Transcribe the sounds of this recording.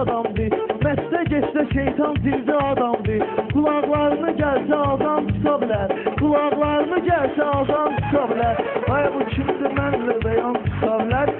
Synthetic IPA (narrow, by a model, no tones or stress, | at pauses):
d̪ɑmd̪ɯmæsd̪æɟet͡ʃd̪æʃejt̪ʰɑnd̪iɾd̪iɑd̪ɑmd̪ɯɡulˠɑʁlˠɑɾɯnɯɟælsæɑd̪ɑnt͡ʃʰɯk̪ʰɑbilæɾɡulˠɑʁlˠɑɾɯnɯɟælsæɑd̪ɑnt͡ʃʰɯ̥kʰɑbilæɾɑjɑbut͡ʃʰimsymænlibæjɑnt͡ʃʰɯ̥kʰɑbilæɾ